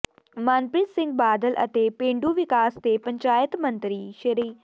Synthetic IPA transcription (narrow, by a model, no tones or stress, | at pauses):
maːnpɾɪt̪sɪ̃ŋɡ̚baːd̪əlʔə̰t̪eːpẽːɳɖuːʋɪkaːst̪epəɲt͡ʃaːjət̪mə̃nt̪ɾiːʃɪɾiː